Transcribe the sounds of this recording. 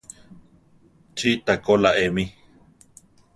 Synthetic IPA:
t͡ʃit̪akolaʔemĩ

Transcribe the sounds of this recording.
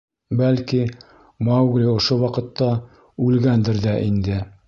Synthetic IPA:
bælki | mɑwɡlʲiŏʃowɑqɤ̆t̪ːɑ | ʉlɡænd̪ɘɾd̪æʔind̪ɘ

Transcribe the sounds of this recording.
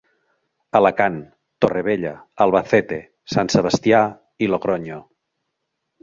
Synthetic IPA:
əlakan | t̪oreβ̞eʎaːlˠβaθɛt̪e | sanseβ̞əst̪ia | iloɣɾoɲo

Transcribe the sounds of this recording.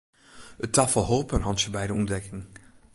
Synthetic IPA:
ətʰɑfəlˠɦoːpənɦɑntsəbɛjdəumdɛkɪŋ

